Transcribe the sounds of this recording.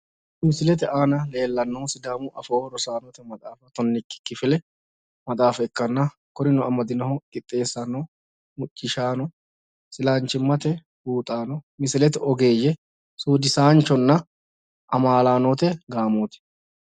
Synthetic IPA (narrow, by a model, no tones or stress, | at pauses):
mɪsɪlɛt̪ɛaːnɐle̞ːlːɐnːɔwsɪd̪aːmʊʔɐfoːɾɔsaːnɔt̪ɛmɐt̪ʼaːfɐt̪ɔnːɪkːɪ̥kːɪfɪlɛ | mɐt̪ʼaːfɐɛkːɐnːɐ | kɔɾɪnɔɐmɐd̪ɪnɐhɔkʼɪt̪ʼːe̞ːsːanːɔ | mʊt͡ʃʼːɪʃaːnɔ | sɪlaːnt͡ʃɪmːɐt̪ɛ | buːt̪ʼaːnɔmɪsɪlɛt̪ɛʔɔɡeːjɛ | suːd̪ɪsaːnt͡ʃːɔnːɐ | ʔɐmaːlaːnɔt̪ɛɡaːmoːt̪ɛ̥